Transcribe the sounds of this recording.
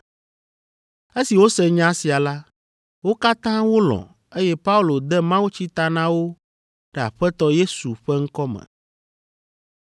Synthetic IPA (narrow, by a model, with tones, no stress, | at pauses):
e˦si˨wo˦sɛ˦ɲã˦si˨a˨la˦ | wo˦ka˦t̪ã˦wo˦lɔ̰̃˨ | e˦jɛ˦pa˦u˦˨lo˨d̪ɛ˦mã˦wo˦t͡ɕi˦t̪a˦nã˦wo˦ | ɖ̥ɛ˨a̰˨ɸɛ˦t̪ɔ˦je˦su˨ɸɛ˦ŋ̩˦kɔ˦mɛ̰̃˨